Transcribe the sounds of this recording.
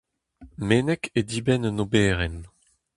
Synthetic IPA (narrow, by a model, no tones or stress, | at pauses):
meːnɛked̪iːbɛnnobɛːʁɛn